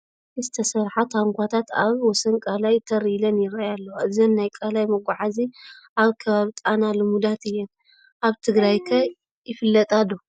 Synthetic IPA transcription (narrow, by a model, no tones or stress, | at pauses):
ʔɨzɨt̪ʰɐsɐɾħat̪haŋkʰʷat̪ʰat̪a̰βwɔsɐnkʼalajt̪ʰɐɾilɐnjɪɾɐjalːɐwɨzɐnːajkʼalajmɐɡʷaʕaziʔaβkʰɐβaβit̪ʼanalomud̪at̪ɨjːɛn | ʔaβt̪ʰɨɡɾajkʰɐ | jɪfɨlːɐt̪ʼad̪o